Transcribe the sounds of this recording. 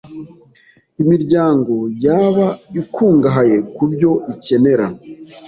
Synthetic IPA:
imiɾɟaːŋɡo̞jaːβaikʰuːŋɡaɦaje̞kubɟo̞ice̞ne̞ɾa

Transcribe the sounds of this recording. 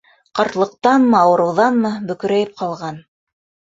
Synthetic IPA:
qɑɾt̪lˠɤ̆q̚t̪ɑnmɤ̆ɑwɤ̆ɾɤ̆wðɑnmɤbɵ̆kɵ̆ɾæjɘp̚qɑlˠʁɑn

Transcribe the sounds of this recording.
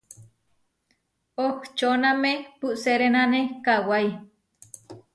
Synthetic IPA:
okt͡ʃonamepuʔseɾenãnekawaj

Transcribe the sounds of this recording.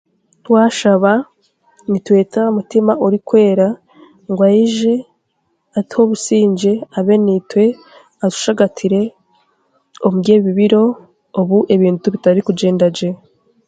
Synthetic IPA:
twaːʃaβa | nitwe̞ːtamutimaʔuɾikwe̞ːɾa | ŋɡwajiʒe̞ | atho̞βusiːɲd͡ʒe̞aβe̞nitwe̞ | atu̥ʃaɡatʰiɾe̞ | omuɟeːβiβiɾo̞ | oβuʔe̞βiːntuβitaiɾikud͡ʒe̞ːndad͡ʒe̞

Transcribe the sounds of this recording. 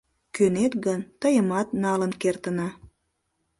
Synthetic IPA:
kønet̪ɣənt̪əjəmɑt̪nɑlənkert̪ənɑ

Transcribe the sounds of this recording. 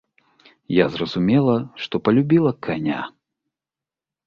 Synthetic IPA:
jazrɐzumʲɛlˠɐʂt̪ɔpɐlʲubʲilˠɐkʰanʲa̰

